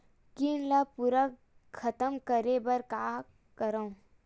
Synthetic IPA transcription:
kinlapuɾə | kʰɐt̪əmkəɾebɐɾkaː | kəɾã

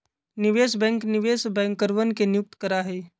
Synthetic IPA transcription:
nɪʋeːs̬bɛ̃ːŋknɪʋeːsbɛ̃ːŋkəɾʋənkenɪjʊk̚t̪kəɾaɦɛː

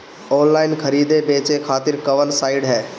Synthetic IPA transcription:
ɔːnlaːɪnkʰəɾiːd̪ebeːt͡ʃekʰaːt̪ɪɾkɐʋənsaːɪɖɦɛː

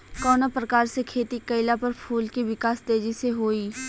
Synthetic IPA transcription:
kɔːnapɾəkaːɾsekʰeːt̪ikəɪlapəɾpʰuːlkiʋɪkaːst̪eːd͡ʒiseɦoːiː

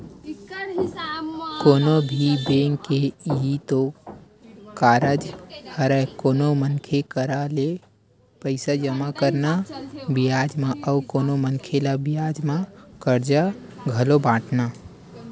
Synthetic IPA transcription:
koːnobʱibeŋkeiɦit̪o | kaːɾəd͡ʒhəɾəkoːnomənkʰekəɾale | pəɪsad͡ʒəmakəɾnabijad͡ʒmaʔəukoːnomənkʰelabijad͡ʒmãkəɾd͡ʒaɡʱəlobãːʈʰna

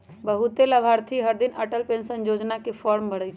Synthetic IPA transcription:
bəɦut̪eləbʱaːɾt̪ʰiɦəɾd̪inəʈəlpẽnsənjod͡ʒnakepʰɔːɾmbəɽəjt͡ʃʰ

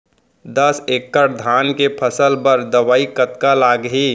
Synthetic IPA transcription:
d̪əsekːəɾd̪ʱaːnkepʰəsəlbəɾd̪əʋaːikət̪kalaːɡɦiː

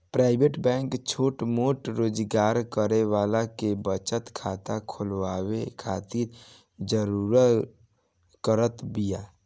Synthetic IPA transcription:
pɾaːɪbeʈbɛ̃ːŋkt͡ʃʰoːʈmoːʈɾoːd͡ʒɡaːɾkəɾewaːlakebət͡ʃət̪kʰaːt̪akʰʊlwaːwekʰaːt̪iːɾ | d͡ʒəɾuɾət̪ | kəɾət̪bijaː

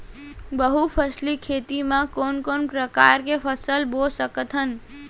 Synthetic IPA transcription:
bəɦupʰəslikʰet̪imãkonkonpɾəkaɾkepʰəsəlbolsəkət̪ɦən

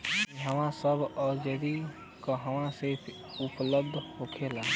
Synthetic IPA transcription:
iɦəmãsəbʱɔːɾd͡ʒəd̪i | kəɦəmãsepʰ | upləb̚d̪ʱhokʰela

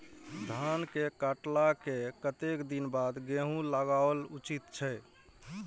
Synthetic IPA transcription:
d̪ʱankekaʈlakekət̪ekd̪inbad̪ɡeɦũləɡaəlut͡ʃit̪t͡ʃʰɛ

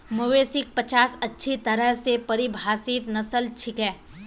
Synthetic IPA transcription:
mʊʋeːsɪk̚pɐt͡ʃaːsɐtːʃʰit̪ɐɾəɦsepɐɾɪbʱaːsɪt̪nɐsəlt͡ʃʰɪkɛː

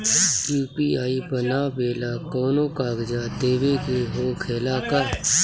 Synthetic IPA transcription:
juːpiːaːibənaːbeːlaːkɔːnoːkaːɡd͡ʒad̪eːʋeːkeɦoːkʰeːlaːkəɾ

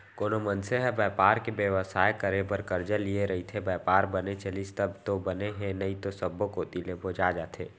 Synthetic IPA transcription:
koːnomənseɦəbɛːpaːɾkebjəʋəsaːekəɾebəɾkəɾd͡ʒəlieɾɐɦit̪ʰebɛːpaːɾbənet͡ʃəlist̪əbt̪obəneɦɛ̃nəit̪osəbːokoːt̪ileboːd͡ʒad͡ʒaːt̪ʰeː

